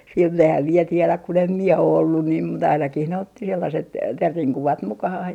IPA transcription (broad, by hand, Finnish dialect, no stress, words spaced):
sinːe ehæm mie tielæ kun em mie o olːun niːm mut ɑinɑkih ne otːi selːɑset terːiŋ kuʋɑt mukɑhɑh